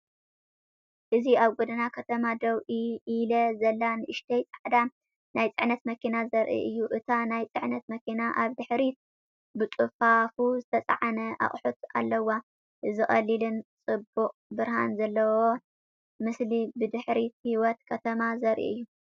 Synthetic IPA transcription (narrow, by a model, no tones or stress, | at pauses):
ʔɨziaβɡud̪ɨnakʰɐt̪ʰɐmad̪ɐwʔiilɐzɐlːanɨʔɨʃt̪ʰɐjt͡sʼaħd̪a | najt͡sʼɨʕnɐt̪mɐkʰinazɐɾʔḭʔɨjːuʔɨt̪ʰanajt͡sʼɨʕnɐt̪̚mɐkʰinaʔaβd̪ɨħɾit̪ | bɨt͡sʼɨfafuzɨt̪ʰɐt͡sʼa̰ʕanɐʔa̰χʼħut̪a̰lːɐwːa | ɨzɨχʼɐlilɨnt͡sʼɨbuqʼbɨɾhanzɐlːɐwo | mɨslibɨd̪ɨħɾit̪hiwɔt̪kʰɐt̪ʰɐmazɐɾʔḭɨjːu